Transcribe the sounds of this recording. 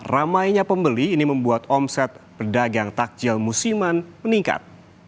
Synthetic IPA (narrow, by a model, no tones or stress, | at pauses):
ramajɲapəmbəliːniməmbuat̪ɔmsɛt̪̚pərdaɡaŋt̪ak̚d͡ʒɪlmusimanməniŋka̰t̪̚